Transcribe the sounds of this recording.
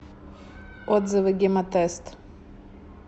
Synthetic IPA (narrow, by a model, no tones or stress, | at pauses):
ɔd̪zɨvɨɡʲɪmɐt̪ɛst̪